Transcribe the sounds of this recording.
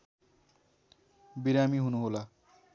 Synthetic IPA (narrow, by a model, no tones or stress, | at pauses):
biɾamiɦunuɦola